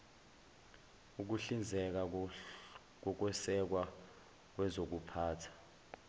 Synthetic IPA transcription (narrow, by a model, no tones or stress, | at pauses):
uk̬uɬind͡zʱɛk̬a | k̬ɔk̬wɛsɛk̬wa | k̬wɛzok̬upʰaːtʰḁ